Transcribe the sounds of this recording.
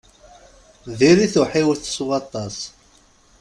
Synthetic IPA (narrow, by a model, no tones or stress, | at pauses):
ðiɾiθuħiwəθsuʁɑt̪ˤɑs